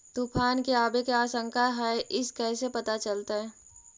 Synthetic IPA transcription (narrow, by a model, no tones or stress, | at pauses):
t̪upʰaːnkeaːbekeaːsə̃ŋkʰaɦɛʔɪskɛːsepɐt̪at͡ʃəlt̪aɦɛː